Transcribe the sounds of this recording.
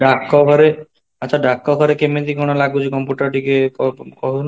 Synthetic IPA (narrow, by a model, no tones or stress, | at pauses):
ɖʱakːɔkʰɔɾe | at͡ʃʰaɖakːɔkʰɔɾekemet̪ikɔɽ̃ɔlaɡut͡ʃʰikɔmpjuʈɔɾʈikeɔkɔɦun